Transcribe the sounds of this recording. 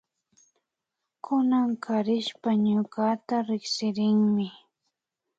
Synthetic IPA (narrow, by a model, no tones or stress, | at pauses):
kʰʊnaŋkʰaɾɪʃpaɲʊkat̪aɾɪksɪɾɪŋmɪ